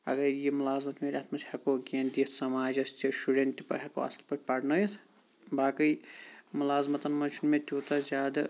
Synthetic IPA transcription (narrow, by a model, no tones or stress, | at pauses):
ɐ̰ɡɐɾjemulaːzmɐt̪meɾʲaːt̪ʰmɐsʰhekoɡʲent̪ijet̪ʰsɐmaːd͡ʒɐst̪isuɖent̪ipɐ̰ɾɦekoɐ̰sɐlpɐʈʲpɐɽnɐjit̪ʰ | baːkəjmulaːzmɐt̪ɐnmɐnt͡ʃʰunmet̪ʲut̪ɐzʲaːd̪ɐ